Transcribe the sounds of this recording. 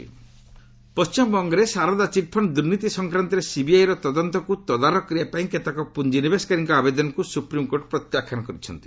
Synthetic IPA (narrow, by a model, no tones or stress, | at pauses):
pɔst͡ʃimɔbɔŋɡɔɾesaɾɔd̪at͡ʃiʈpʰɔnd̪uɾnit̪isɔŋkɾant̪ɔɾesibiajɾɔt̪ɔd̪ɔnt̪ɔkut̪ɔd̪aɾɔkːɾiapaĩket̪akɔpund͡ʒinibeskaɾiŋkɔabed̪ɔnɔkusupɾimkoɾʈpɾɔt̪jakʰanɔkɔɾit͡ʃʰɔnt̪i̥